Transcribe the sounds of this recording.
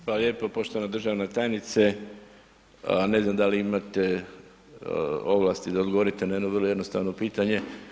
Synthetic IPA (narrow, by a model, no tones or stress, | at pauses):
xʋalalje̞ːpopo̞ʃt̪oʋanad̪r̩ʒaʋnet̪ajenit̪se | ne̞znamd̪aliimat̪e̞ | o̞ʋlˠast̪id̪aod̪ɡooɾit̪enajenoʋər̩loje̞d̪no̞st̪a̰ʋno̞piːt̪aɲe̞